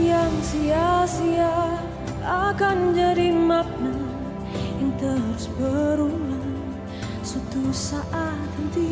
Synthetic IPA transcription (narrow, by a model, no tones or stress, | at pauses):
ijamsijasia | akand͡ʒaɾimap̚na | int̪əɦaɾusbəɾula | sut̪usaʔat̪hint̪i